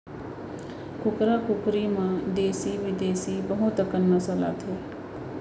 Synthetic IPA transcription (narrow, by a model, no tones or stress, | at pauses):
kʊkɾakʊkɾimãd̪eːsiʋɪd̪eːsibəɦʊt̪əkənmɐsəla̰ːt̪ʰeː